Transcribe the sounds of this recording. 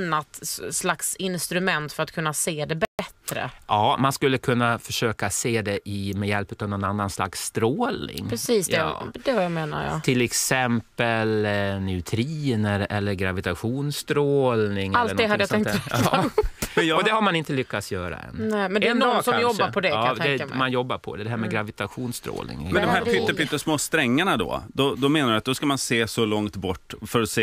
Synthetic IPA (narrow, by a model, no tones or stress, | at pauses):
nːat̪slaksɪnst̪ɾɵmɛnt̪fœɾat̪̚kʰɵnːaseːd̪ɛbɛt̪ɾə̰ɑːmanskɵlːəkʰɵnːafœʂøːkaseːd̪ɛʔɪmɛjɛlpʉ̟ːt̪avnɔnanːansla̰ksːt̪ɾoːlnɪ̰ŋɾɛsiːsd̪ɛd̪ɛvajameːna̰ɾja̰ɪlɛksɛmpəlnɛt̪ʰɾiːnəɾɛlːəɾɡɾavɪt̪aɧuːnst̪ɾoːlnɪŋɛallt̪ːənɔd̪ɛɦad̪əjat̪ɛŋk̪ːpmɛnjɔd̪ɛhaɾmanɪnt̪əlʏkːat̪sjœːɾa̰ɛ̰nnɛmɛndɛɛnsɔamjɔbaɾpʰɔd̪ɛd̪ɛmanjɔbːaɾpʰɔ̰d̪ɛd̪ɛɦæːɾmɛɡɾavɪt̪aɧuːnst̪ɾo̰ːlɪ̰ŋmɛnd̪ɔmɦæːɾpʏt̪ːəɾpʏt̪ːəsmoːst̪ɾɛŋːaɳad̪ɔ̰d̪ɔd̪ɔmeːnaɾɪat̪̚d̪ɔskamanseːsɔlɔŋt̪bɔʈːfœɾɔseː